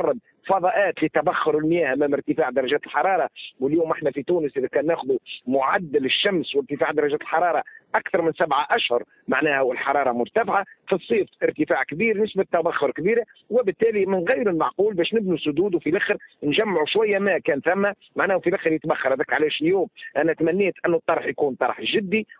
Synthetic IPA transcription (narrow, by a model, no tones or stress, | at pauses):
ɑrˤːɑd̪̚ | fɑðˤɑʔæːt̪lɪt̪ːæbaxːʊɾɪlmjæːhʔæmæːmɪɾt̪ɪfaːʕd̪ɑɾˤɑʒæːt̪əlħɑɾˤɑːɾˤɑwɪljuːmʔɪħnæfit̪uːnəsʔiðækæːnːæːxʊðumʊʕad̪ːɪlɪʃːamswɪɾt̪ɪfaːʕd̪ɑɾˤɑʒæːt̪əlħɑɾˤɑːɾˤɑʔakθɑɾˤmɪnsabʕaʔaʃhʊɾˤ | maʕnæːhæwɪlħɑɾˤɑːɾˤɑmʊɾt̪afʕafisˤːiːfʔɪɾt̪ɪfaːʕkbiːɾnɪsbat̪ːæbaxːʊɾkbiːɾa | wɪbɪt̪ːæːlimɪnɣɪjɾɪlmɑʕquːlbæːʃnɪbnusʊd̪uːd̪wfilɪxɾnʒæmːʕuʃwæjːæmækæːnθæmːæ | maʕnæːhʊfilɪxɾjɪt̪baxːɑɾˤhæd̪æːkʕalæːʃɪljuːmʔænæt̪mænːiːt̪ʔɪnːut̪ˤːɑɾˤħjkuːnt̪ˤɑɾˤħʒɪd̪ːi